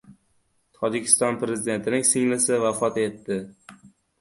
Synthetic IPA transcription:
t̪ʰɒd͡ʒɪkʲʰɪ̥st̪ɒnpɾe̞zɪd̪e̞nt̪ʰɪnɪŋsɪŋlɪsɪvafɒt̪e̞t̪ːɪ

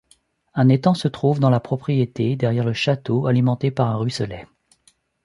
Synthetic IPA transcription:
ɛ̃net̪ɑ̃sət̪χuvd̪ɑ̃lapχɔpχijet̪ed̪ɛʁjɛʁləʃat̪oalimɑ̃t̪epaʁɛ̃ʁysəlɛ

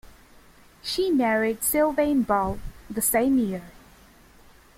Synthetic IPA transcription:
ʃimɛɹidsɪlˠvẽɪ̃nbɔlˠðəsẽɪ̃mjɪɹ

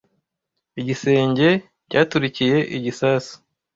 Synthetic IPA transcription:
iɟise̞ːɲɟe̞ | caːtuɾicije̞ʔiɟisaːsu̥

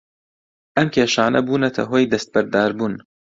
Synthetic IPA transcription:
ʔɐmkʰʲeːʃaːnɐ̰buːnɐt̪ʰɐ̰ɦoːjd̪ɐst̪̚bɐɾd̪aːɾbuːn

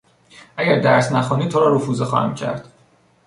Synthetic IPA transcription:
ʔæɟæɾd̪æɾsnæxɔːniːt̪ʰoɾɒːɾofuːzexɒ̰ːhæ̰mcʰæ̰ɾd̪̥

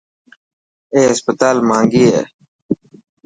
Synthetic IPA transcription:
eːɦəspət̪aːlmãːŋɡiːḛː

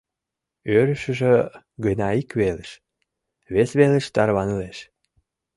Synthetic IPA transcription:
øɾəʃəʒĕ | ɡənɑikβeleʃ | βesβeleʃt̪ɑrβɑnəleʃ

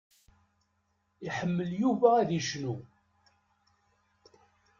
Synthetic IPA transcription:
iħəmːəljuvææðiʃnu

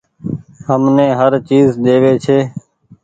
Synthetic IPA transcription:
həmnẽːɦəɾt͡ʃiːzd̪eːʋeːt͡ʃʰeː

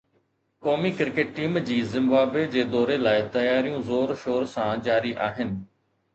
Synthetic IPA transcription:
koːmikɪɾkeːʈ̚ːiːmd͡ʑiːzɪ̃mbaːbed͡ʑeːd̪ɔːɾelaːɪt̪ɐjaːɾijõzoːɾʃoːɾsãːd͡ʑaːɾiʔaːɦɪnɪ̆

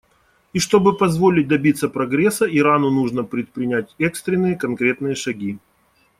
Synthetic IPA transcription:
iʂt̪o̞bɨpɐzvo̞lʲɪt̚ʲd̪ɐbʲit̪sːəpɾɐɡɾʲesːəʔɪɾanʊnuʐnəpɾʲɪt̪̚pɾʲɪnʲætʲɛkst̪ɾʲɪnːɨjəkɐnkɾʲe̞t̪nɨjəʂɐɡʲi

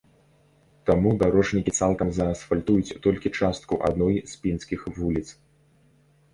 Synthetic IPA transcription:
t̪amud̪aɾɔʐnʲikʲit̪salˠkɐmzɐːsfalʲt̪ujut͡sʲt̪ɔlʲkʲit͡ʂast̪̚kuʔa̰d̪nɔjzpʲinskʲixvulʲit̪s

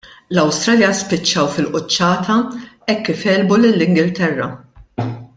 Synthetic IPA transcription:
lɐwst̪ɾɐːljɐspɪt͡ʃːɐwfɪlʔʊt͡ʃːɐːt̪ɐɛkːɪfɛːlbulɪlːɪŋɡɪlt̪ɛrːɐ̰

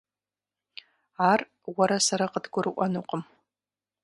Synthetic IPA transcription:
ar | waɾasaɾaqədɡʷʊɾɨʔʷanuqʼəm

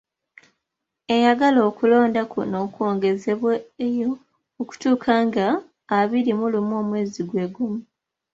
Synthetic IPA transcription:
e̞jaɡalo̞ːkulo̞ːndakṵno̞ːkwo̞ːŋɡe̞ze̞βwajo | oku̥tuːkʰaːŋɡaː | βiɾimulumo̞ːmwe̞ːziɡwe̞ːɡumu

